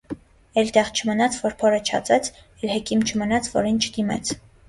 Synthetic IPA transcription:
ɛlt̪ɛʁt͡ʃʰəmənɑt͡sʰvɔɾpʰɔɾət͡ʃʰɑ̰t͡sɛt͡sʰ | ɛlhɛkimt͡ʃʰəmənɑt͡sʰvɔɾint͡ʃʰə̥d̪imɛ̰t͡sʰ

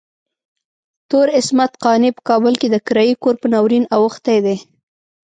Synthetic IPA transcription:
t̪oɾɪsmat̪qɑnepə̥kɑbəlked̪əkɪɾɑjikoɾpənawɾinawʊxt̪ajd̪e

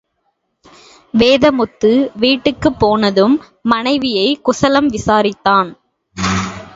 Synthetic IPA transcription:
ʋeːðɐmʊt̪ːɯʋiːʈːɯkːɯpːoːnɐðɯmː | ɐnɐɪʋɪjɐɪkʊsɐlɐmʋɪsaːɾɪt̪ːaːn

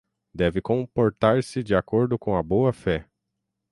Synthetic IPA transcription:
d̪ɛvɪkõpoɾt̪aɾsɪd͡ʒiakoɾd̪ʊkõw̃ɐboɐfɛ

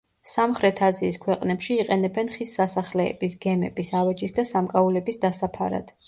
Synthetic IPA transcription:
samχɾɛt̪ʰaziːskʰwɛqʼnɛpʃiːqʼɛnɛbɛnχisːasaχlɛ̰ːbisɡɛmɛbisavɛd͡ʒʼisd̪asamkʼaulɛbisd̪asapʰa̰ɾa̰d̪̥

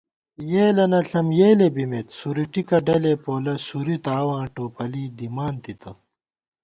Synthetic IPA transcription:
jeːlɐnɐɬɐmjeːlebimet̪suɾiʈikɐɖɐlepoːlɐsuɾit̪aːwãːʈoːpɐliːd̪imaːnt̪it̪ʰɐ

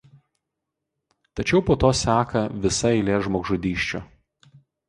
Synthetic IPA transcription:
t̪ɐt͡ʃʲɛʊpoːt̪oːsʲæːkɐʋʲɪsɐɛɪlʲeːʒmoːɡʒʊd̪ʲiːʃʲt͡ʃʲo̰ː

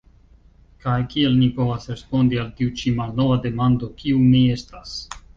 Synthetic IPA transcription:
kajkie̞lnipo̞vasɾe̞spo̞ndialtiut͡ʃimalno̞vade̞mando̞kʰiumie̞stas

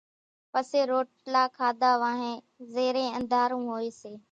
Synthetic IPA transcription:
pəseːɾoːʈlaːkʰaːd̪aːʋãːɦẽː | zeːɾẽːə̃nd̪ʱaːɾũːɦoːeːseː

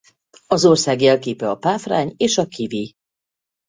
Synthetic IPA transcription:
ɒzo̞rsaːɡjɛlkeːpɛɒpaːfra̰ːɲeːʃɒkʰivi

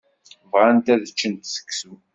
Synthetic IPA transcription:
vʁant̪æðət͡ʃːənt̪sə̥kːsu

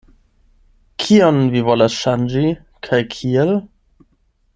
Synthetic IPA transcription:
kʰiɔnvivɔlaʂand͡ʒi | kʰajkʰiɛl

